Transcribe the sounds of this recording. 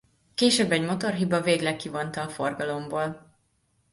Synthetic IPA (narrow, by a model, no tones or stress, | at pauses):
keːʃøbːɛɟmo̞t̪o̞rɦibɒveːɡlɛkːivo̞nt̪ɒːforɡɒlo̞mboːl